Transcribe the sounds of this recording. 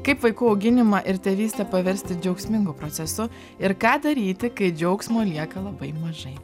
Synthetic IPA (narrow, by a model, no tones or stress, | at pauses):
kɐɪpʋɐɪkʊɐʊɡʲɪnʲɪmɑʔɪɾt̪ʲeːʋʲiːsʲt̪ʲɛpɐʋʲɛɾʲsʲt̪ʲɪd͡ʒʲɛʊksʲmʲɪŋɡʊpɾoːt̪sʲɛsʊ | ɪɾkɑːd̪ɐɾʲiːt̪ʲɪkɐɪd͡ʒʲɛʊksʲmoːlʲiɛkɐlˠɐbɐɪmɐʒɐɪ